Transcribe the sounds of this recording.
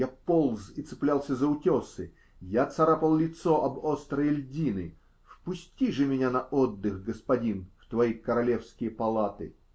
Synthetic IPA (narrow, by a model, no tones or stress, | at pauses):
japolˠzɪt̪sɨɪplʲalˠsʲəzəʊtʲosɨ | jat̪sɐɾapəlˠlʲɪt̪soʔɐbost̪ɾəjlʲdʲinɨ | fpʊsʲtʲiʐɨmʲɪnʲanɐʔod̪ːɨxɡəspɐdʲinft̪vɐikəɾɐlʲefskʲɪjəpɐlˠat̪ɨ̰